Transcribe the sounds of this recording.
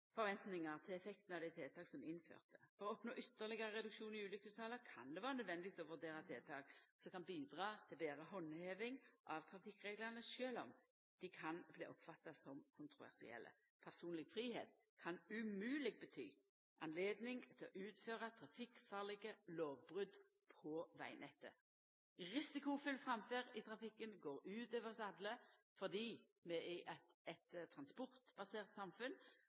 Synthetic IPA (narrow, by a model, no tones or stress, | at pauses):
fɔɾʋɛnt̪nɪŋɑɾt̪ʰɪlɛfɛk̚t̪ənɑʋd̪ɛɪt̪ʰeːt̪ʰɑːksɔmɪnfø̰ːʁt̪ʰə̥fɔɾɔɔpnoːʔʏt̪ːəʁlɪɡɑʁəʁɛd̪ʉkʃuːnɪʉːlʏkʉsɑləkʰɑ̰nd̪ɛʋɑːɾənœd̪ʋɛnd̪ɪʋisɔʋʉʁd̪eːɾɑt̪ʰeːt̪ʰɑːksɔkɑnbiːd̪ʁɑːt̪ʰɪlbeːɾəɦɔnːheːʋɪŋʔɑʋt̪ʰɾɑfɪkːʁeːɡlɑnəʃøːlɔ̰m | d̪̥ɪkʰɑnblḭːʔɔpfɑt̪ːɑsɔmkʰʊnt̪ʁʊʋæ̰ʁsɪ̰ɛ̰lʔə̰ | pʰæʁsuːnlɪɡfɾiːɦḛːt̪̚ | kʰɑnʉmʉːlɪɡ̚bət̪ʰy̰ː | ʔɑnleːd̪nɪŋt̪ʰɪlɔ̰ʔʉːt̪føːʁɑt̪ʰʁɑfɪkfɑːʁlɪɡəloːʋbʁʉd̪ | pʰɔʋæ̰ɪnʔɛt̪ːə̰ | ʁɪsɪkʊfʏlːfʁɑmføːʁɪt̪ʰʁɑfɪkːənɡoːʁʉːt̪øːʋəʁsɑb̪lə | fɔʁd̪iː | mɛɪʔɑt̪ɛt̪t̪ʰːʁɑnspɔʁt̪b̥ɑseːʁt̪sɑmfʉn